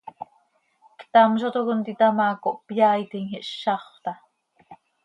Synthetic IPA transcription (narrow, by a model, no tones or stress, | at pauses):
kt̪ɑmʃot̪okont̪it̪ɑmɑːkoʔpjaːit̪iŋhiʔʃɑχt̪ɑ